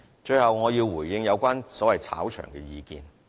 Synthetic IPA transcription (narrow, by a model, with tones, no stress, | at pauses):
t͡ʃɵ˧ɥhɐ˨wŋɔː˨˧jiː˧wwuː˨˩jjɪ˧ŋjɐ˨˧wkʷaː˥nsɔː˨˥wɐ˨jt͡sʰa̰ː˨˥wt͡ʃʰœ̰ː˨˩ŋkɛː˧jiː˧kḭː˧n